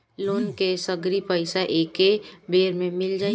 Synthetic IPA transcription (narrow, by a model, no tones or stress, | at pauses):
loːnkesəɡɾipəɪsaʔeːkebeːɾmẽmɪld͡ʒaː